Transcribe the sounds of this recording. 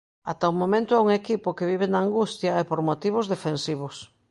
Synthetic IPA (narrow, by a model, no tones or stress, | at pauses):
at̪aumõmẽnt̪ʊauŋekipʊkeβiβenaːŋɡust̪jɐɛpoɾmot̪iβ̞ʊzðefensiβ̞ʊs